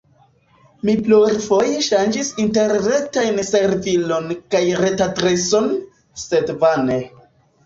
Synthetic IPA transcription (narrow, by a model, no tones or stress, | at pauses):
mipluɾfo̞jeʃand͡ʒisinte̞ɾːetajnse̞ɾvilo̞nkajɾe̞tatɾeso̞n | se̞dvane